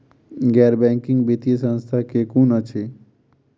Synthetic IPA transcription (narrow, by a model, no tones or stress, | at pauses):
ɡɛɾbɛ̃ŋkĩŋɡbet̪ijəsə̃nst̪ʰakekunət͡ʃʰe